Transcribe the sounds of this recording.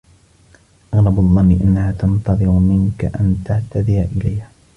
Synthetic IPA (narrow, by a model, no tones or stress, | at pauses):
ʔɑɣɾˤɑbaðˤːɑnːɪʔanːahaːt̪ɑnt̪ɑðˤɨɾmɪnkaʔant̪aʕt̪ad̪ɪjaʔɪlajha